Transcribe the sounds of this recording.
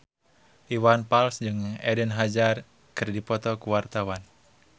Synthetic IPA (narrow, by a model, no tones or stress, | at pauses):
ʔiwanpalsd͡ʒɨŋɛdənɦad͡ʒar | kɨrdipɔt̪ɔkuwart̪awan